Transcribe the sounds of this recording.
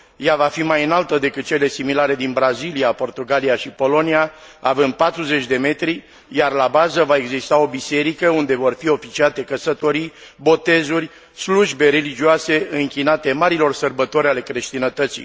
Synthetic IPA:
javafimajɨnalt̪əd̪e̞kɨt̪̚t͡ʃe̞le̞similaɾe̞d̪inbɾaziliapo̞rt̪uɡaliaʃipo̞lo̞niaavɨnd̪̚pat̪ɾuze̞t͡ʃʲd̪e̞me̞t̪ɾi | jarlabazəvaeɡzist̪ao̞bise̞ɾikəund̪e̞vo̞rfio̞fit͡ʃiat̪e̞kəsət̪o̞ɾibo̞t̪e̞zurʲ | sluʒbe̞ɾe̞lid͡ʒiase̞ʔɨŋkʲinat̪e̞maɾilo̞rsərbət̪o̞ɾʲale̞kɾeʃt̪inət̪ət̪sḭ

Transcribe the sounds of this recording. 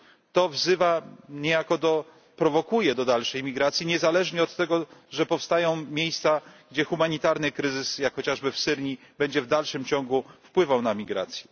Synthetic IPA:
t̪ɔvzɘvaɲɛjakɔd̪ɔ | pɾɔvɔkujɛd̪ɔd̪alʂɛjmʲiɡɾat̪sʲjiɲɛzalɛʐɲɛɔt̪ːɛɡɔʐɛpɔfst̪ajɔ̃w̃mʲjejst̪saɡd͡ʑɛxumaɲit̪aɾnɘkɾɘzɘsjakxɔt͡ɕaʐbɘfsɘɾɲi | bɛɲd͡ʑɛvd̪alʂɘmt͡ɕɔ̃ŋɡufpwɘvawnamʲiɡɾa̰t̪sʲjɛ

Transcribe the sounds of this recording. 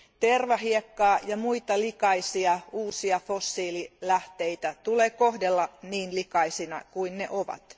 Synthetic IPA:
t̪erʋɑɦiekːɑːjɑmuit̪ɑlikɑisiɑuːsiɑfosːiːlilæht̪eit̪æt̪uleːkohdelːɑniːnlikɑisinɑ̰kuinnḛʔoʋɑ̰t̪

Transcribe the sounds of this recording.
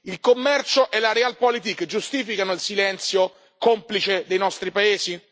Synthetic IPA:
ilkomːɛrt͡ʃoʔɛlaɾɛalpɔlit̪̬ikːd͡ʒust̪iːfikanoilsilɛnt̪sjo | komplit͡ʃed̪ejnɔst̪ɾipaeːzi

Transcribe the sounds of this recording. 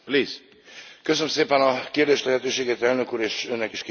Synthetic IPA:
pliːz | køsønmseːpɛnɒkeːrd̪eːʃlɛɦɛt̪øːʃeːɡeːt̪ɛlnø̞kuːɾeːʃønːɛkiʃkː

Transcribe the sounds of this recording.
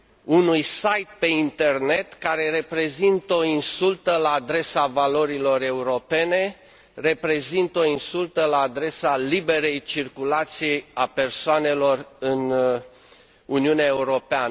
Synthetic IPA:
unujsajt̪̚pe̞int̪e̞rnet̪kaɾe̞ɾe̞pɾe̞zint̪əo̞insult̪əlaːd̪ɾe̞savalo̞ɾilo̞ɾe̞uɾo̞pe̞ne̞ | re̞pɾe̞zint̪əo̞insult̪əlaːd̪ɾe̞salibe̞ɾe̞jt͡ʃirkulat̪sijejape̞rsoane̞lo̞rɨn | uniuneae̞uɾo̞peanə

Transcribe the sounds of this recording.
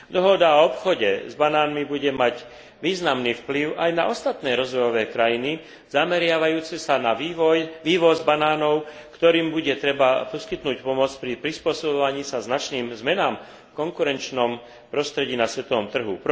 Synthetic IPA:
d̪ɔɦɔd̪aɔɔpxɔɟɛ̰zbanaːnmibuɟɛmaɟ | ʋiːznamniːfpliʊʔajna̰ʔɔst̪at̪nɛːɾɔzʋɔjɔʋɛːkɾajini | z̥amɛɾɪaʋajuːt͡sɛsanaiʋɔjʋiːʋɔzbanaːnɔʊ | kt̪ɔɾiːmbuɟɛt̪ɾɛbapɔskit̪nuːcpɔmʊɔt͡spɾipɾispʊɔsɔbɔʋaɲiːsaznat͡ʃniːmzmɛnaːm | kɔŋkuɾɛnt͡ʃnɔm | pɾɔst̪ɾɛɟiːnasʋɛt̪ɔʋɔmt̪r̩ɦup

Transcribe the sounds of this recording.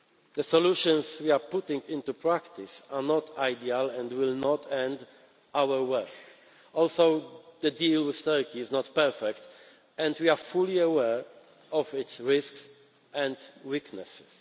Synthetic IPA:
ðəsɔluʃɔ̃nswiapʊt̪ɪ̃ŋɡɪ̃nt̪upɹækt̪ɪsanɔt̪ʰajd̪ialɛ̃ndwɪlnɔt̪ʰɛ̃nd̪ | ʔawəɹwɛk | ʔɔlsoʊðəd̪ilwɪð̥t̪ɜɹkiɪznɔt̪pɛɹfɛkt̪ | ɛ̃ndwiafuliəwɛɹ | ɔfɪt̪sɹɪsks | ʔɛ̃nd̪wiknɛ̰sɪ̥s

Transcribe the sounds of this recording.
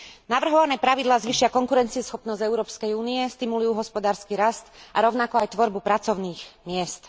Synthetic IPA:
naʋr̩ɦɔʋanɛːpɾaʋid̪laːzʋiːʃɪakɔŋkuɾɛnt͡siɛsxɔpnɔzzɛʊɾɔːpskɛjuːniɛst̪imulujuːɦɔspɔd̪aːɾskiɾast̪ʔaɾɔʊnakɔajt̪ʋɔɾbupɾat͡sɔʊniːxmɪɛst̪

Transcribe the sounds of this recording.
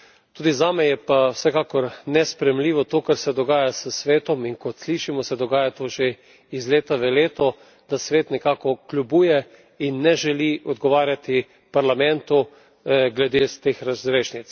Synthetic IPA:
t̪uːd̪izaːmɛjɛpawsɛkaːkɔɾnɛspɾɛjɛmliːʋɔt̪oːkaɾsɛd̪ɔɡaːjasəsʋeːt̪ɔminkɔt̪sliːʃimɔsɛd̪ɔɡaːjat̪oːʒe | izleːt̪aʋɛleːt̪ɔ | d̪asʋeːt̪nɛkaːkɔklʲubuːjɛ | inːɛʒɛliʔɔd̪ɡɔʋaːɾjat̪i | paɾlamɛ̃nt̪u | ɡlɛd̪est̪exɾazɾeːʃnit̪s

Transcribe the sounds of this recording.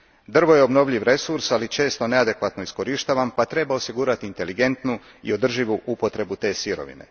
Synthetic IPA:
d̪r̩ʋo̞je̞o̞bno̞ʋʎiʋɾe̞suɾsalit͡ʃe̞ːst̪o̞ne̞ad̪e̞kʋat̪noisko̞ɾiʃt̪aːʋampat̪ɾe̞bao̞siɡuːɾat̪iːnt̪e̞liɡe̞nt̪nu | ḭo̞d̪r̩ʒiʋuʔupo̞t̪ɾe̞but̪e̞ːsiɾo̞̰ʋḭne̞̰

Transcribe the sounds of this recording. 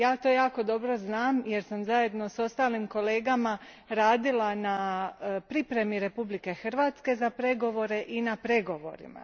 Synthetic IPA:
jaːt̪o̞ːjaːko̞d̪o̞bɾo̞znaːmje̞ɾsamzaje̞d̪no̞so̞st̪aːlimko̞le̞ːɡama | ɾaːd̪ilanapɾipɾe̞miɾe̞publike̞xr̩ʋaːt̪ske̞zapɾe̞ɡo̞ʋo̞ɾe̞ʔinapɾe̞ɡo̞ʋo̞̰ɾḭma̰

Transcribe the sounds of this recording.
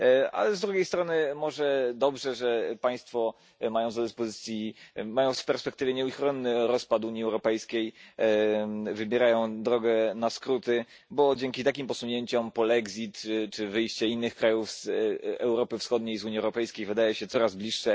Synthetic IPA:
a̰lɛzd̪ɾuɡʲjejst̪ɾɔnɘmɔʐɛd̪ɔbʐɛʐɛpaj̃st̪fɔ | majɔ̃w̃zad̪ɘspɔzɘt̪sʲjimajɔ̃w̃fpɛɾspɛkt̪ɘvʲjɛɲɛuxɾɔnːɘɾɔspat̪uɲiɛwɾɔpɛjskʲej | vɘbʲjɛɾajɔ̃w̃d̪ɾɔɡɛnaskɾut̪ɘ | bɔd͡ʑɛŋkʲit̪akʲimpɔsuɲeɲt͡ɕɔmpɔlɛɡzʲit̪t͡ʂɘvɘjɕt͡ɕɛinːɘxkɾajufz̥ɛwɾɔpɘfsxɔd̪̚ɲejzuɲiɛwɾɔpɛjskʲejvɘd̪ajɛɕɛt̪sɔɾazblʲiʂʂɛ

